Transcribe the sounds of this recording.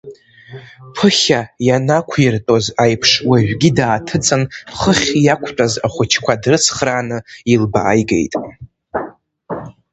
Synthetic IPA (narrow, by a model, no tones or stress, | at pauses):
pʰɨχʲajanakʷʰirtʼozajpʰʂwaʒᶣɡʲidaːtʰɨt͡sʼɨnχəχʲjakʷʰt͡pʷʼaza̰χʷʊt͡ʃʰkʷʰadrɨsχraːnɨilba̰ːjɡḛjtʼ